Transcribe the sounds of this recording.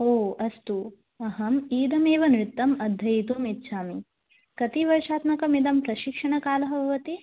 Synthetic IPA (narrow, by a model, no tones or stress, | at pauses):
oːɐst̪u | ɐɦɐmiːd̪ɐmeːʋɐnɾɪt̪ːɐmɐd̪ʱːɐjit̪uːmit̪ːʃʰaːmi | kɐt̪iʋɐɾʂaːt̪mɐkɐmid̪ɐmpɾɐʃikʂɐɳɐkaːlɐɦɐbʱɐʋɐt̪i